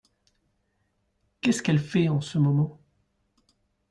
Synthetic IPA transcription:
kʲɛskɛlfɛɑ̃səmɔmɑ̃

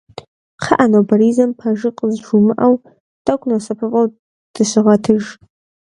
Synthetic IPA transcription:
qʰaʔanobaɾizɨmpʰaʒɨqʼəzʒumɨʔaw | d̥akʷʼnosɐpʰɨqʼaw | d̥ɨɕʷɪʁɐtʰɨʒ

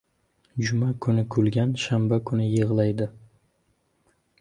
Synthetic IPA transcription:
d͡ʒʊmakʰʊnɪkʰʊlɡʲanʃambakʰʊnɪjɨʁlˠajd̪ɪ

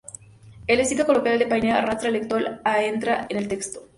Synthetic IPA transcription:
elesit̪okolokaɾeld̪epajneaarast̪ɾaelekt̪walaent̪ɾaʔenelt̪ekst̪o

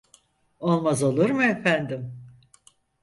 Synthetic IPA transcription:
o̞lˠmazo̞lˠuɾmɯefænd̪im

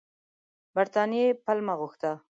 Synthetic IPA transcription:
baɾt̪ɑnijepalmaɣʊxt̪a

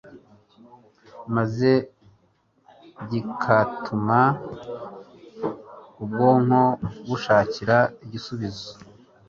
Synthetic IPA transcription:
maze̞ | ɟikʰatʰuma | ubɡoːŋ̥hoɡuʃaːciɾaiɟisuβizo

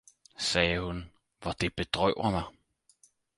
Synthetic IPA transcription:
sɛːəhun | ʋɒd̥eb̥ed̥ʁœʊ̰ɐmɑ

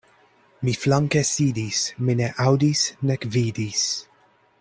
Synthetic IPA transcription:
miflaŋkesiːdismɪnɛʔawdisnɛkviːdis

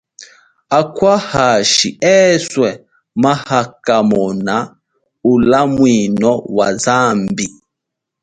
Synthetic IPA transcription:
akwahaʃḭɛswɛ | mahakamɔna | ulamwinɔwazambi

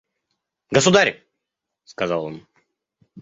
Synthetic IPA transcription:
ɡəsʊd̪aɾʲ | skɐzɑlˠo̰n

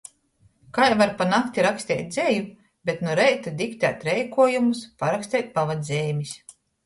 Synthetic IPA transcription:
kajvaɾpanakt̪ʲiɾaksʲt̪ʲɛ̰ːt̪̚ʲd̪zʲɛju | bʲet̪nuɾɛjt̪ad̪ikt̪ʲæːt̪ʲɾɛjkuɔjumuspaɾaksʲt̪ʲɛːt̪̚pavad̪ʲzʲeːmʲis

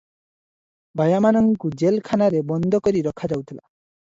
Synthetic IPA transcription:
bajamanɔŋkud͡ʒelkʰanaɾebɔnd̪ʱɔkɔɾiɾɔkʰad͡ʒawt̪ʰila̰

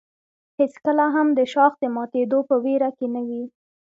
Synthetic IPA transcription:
heskəlaɦamd̪əʃɑxd̪əmɑt̪ed̪opəweɾakenawi

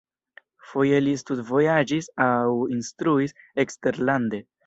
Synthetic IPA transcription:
fo̞je̞listutvo̞jad͡ʒisawinstɾuis | ekste̞ɾlande̞

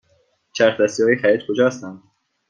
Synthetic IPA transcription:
t͡ʃʰæɾxd̪æst̪ijɒːjexæɾiːt̪kʰod͡ʒɒːst̪ænd̪

